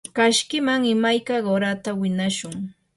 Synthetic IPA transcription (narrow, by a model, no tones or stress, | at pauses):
kaʃkɪmaŋɪmajkaɢoɾat̪awɪnaʃʊŋ